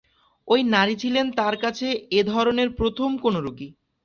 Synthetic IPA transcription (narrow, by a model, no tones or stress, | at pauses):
ojnaɾit͡ɕʰilent̪aɾkat͡ɕʰeed̪ʱɔɾoneɾpɾot̪ʰomkonoɾuki